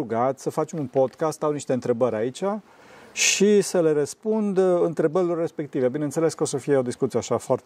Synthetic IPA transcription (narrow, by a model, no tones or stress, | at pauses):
uɡat̪sʲsəfat͡ʃemunpo̞d̪kast̪awniʃt̪eɨnt̪ɾe̞bəɾʲait͡ʃa | ʃisəle̞ɾəspund̪ɨnt̪ɾe̞bəɾʲilo̞rːe̞spe̞k̚t̪ive̞binensele̞skəo̞səfijeo̞d̪iskut̪sijeaʃafoaɾrt̪